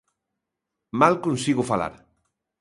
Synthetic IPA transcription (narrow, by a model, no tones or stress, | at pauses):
malkonsiɣʊfala̰ɾ